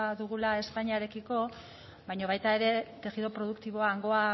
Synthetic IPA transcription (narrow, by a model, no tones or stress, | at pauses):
ðuɣ̞ulae̞spajɲaɾe̞kiko̞ | βajɲo̞β̞ajt̪ae̞ɾe̞t̪e̞ɣiðo̞pɾo̞ð̞ukt̪iβ̞o̞aːŋɡo̞a